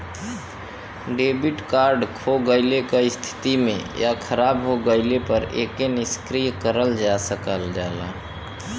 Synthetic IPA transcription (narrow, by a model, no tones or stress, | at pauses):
ɖebiʈkaɾɖkʰoɡəɪlekeɪst̪ʰi̥t̪imḛjakʰəɾabɦoɡəɪlepəɾḛkeniskɾijkəɾəld͡ʒasəkəld͡ʒala̰